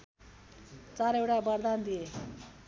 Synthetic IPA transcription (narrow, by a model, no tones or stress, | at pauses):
t͡saɾewʈabʌrd̪and̪ije